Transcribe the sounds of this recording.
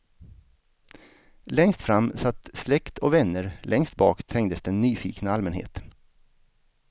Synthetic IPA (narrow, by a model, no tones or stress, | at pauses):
lɛŋst̪fɾamːsat̪ːslɛkt̪ʰɔvɛnːəɾlʔɛŋst̪̚bɑ̰ːkt̪ʰɾɛŋd̪əsd̪ɛnːyːfḭːknaalmɛnhḛːt̪